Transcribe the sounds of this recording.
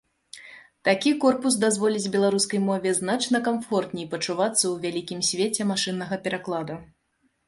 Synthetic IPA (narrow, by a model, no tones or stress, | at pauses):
t̪akʲikɔrpus̬d̪azvɔlʲid͡zʲbʲɛlˠaɾuskɐjmɔvʲɛznat͡ʂnɐkamfɔrt̪nʲɛjpɐt͡ʂuvat̪sːɐwvʲalʲikʲimsʲvʲet͡sʲɛmaʂɨnːɐɣɐpʲɛɾaklˠad̪u